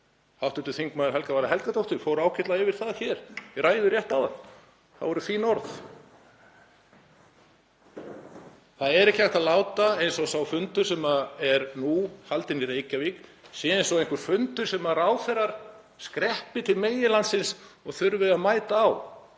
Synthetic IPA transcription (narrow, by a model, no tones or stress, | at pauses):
hawht̪ʏ̥t̪ʏθiŋkmaðɪ̥ɾɦɛlkavaɾaɦɛlkat̪owht̪ʏɾfowɾaːwcʰɪt̪laɪvɪɾ̥θaðçɛɾɾaːjðʏɾjɛht̪awðan | θa̰vɔɾʏθiːnɔɾθ | θaðɛɾɛhcɪajht̪aðlaːwt̪aejnsɔɣsawfʏnt̪ʏɾ̥sɛmaɛɾnuhalt̪ɪnireːjcaviksɛːejnsɔɣẽjŋkʏɾ̥fʏnt̪ʏɾ̥sɛmaɾaːwfɛɾaɾ̥ | skɾɛhpɪt̪ʰɪlmeːjɪlant̪sɪnsɔɣθʏɾvɪðaðmaːjt̪aːw